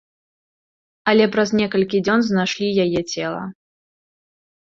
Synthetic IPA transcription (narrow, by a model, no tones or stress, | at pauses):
ɐlʲɛpɾɐznʲɛkɐlʲkʲid͡zʲɔnznajʂlʲijajɛt͡sʲɛlˠɐ̰